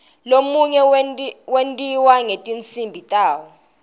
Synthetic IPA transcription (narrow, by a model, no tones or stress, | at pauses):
lomuɲɛwentʼiwaŋetʼint͡sʰʼimbʱitʼaːwɔ